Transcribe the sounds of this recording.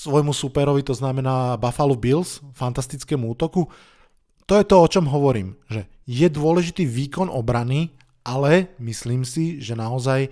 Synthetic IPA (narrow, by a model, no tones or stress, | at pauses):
sʋɔjmusupɛɾɔʋit̪ɔznamɛnaːbafalubilsfant̪ast̪it͡skɛːmuuːt̪ɔku | t̪ɔjɛt̪ɔɔt͡ʃɔmɦɔʋɔɾḭːmʒɛ | jɛd̪ʊɔlɛʒit̪iːʋiːkɔnʔɔbɾani | alɛmisliːmsiʒɛnaɔzaj